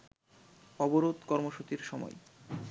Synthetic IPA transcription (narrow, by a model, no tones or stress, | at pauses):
ɔboɾod̪kɔɾmoʃut͡ɕiɾʃɔmɔ̰j